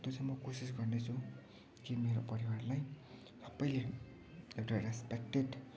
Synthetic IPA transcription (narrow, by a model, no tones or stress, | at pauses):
t̪ot͡sajmʌkosis̬ɡʌrnet͡sʰũ | kimeɾopʌɾiwarlaj | sʌbʌjle | ekʈarespek̚ʈeɖ